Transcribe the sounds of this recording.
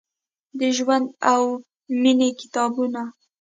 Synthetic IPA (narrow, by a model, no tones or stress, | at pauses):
d̪əʒwand̪aw | minekɪ̥t̪ɑbuna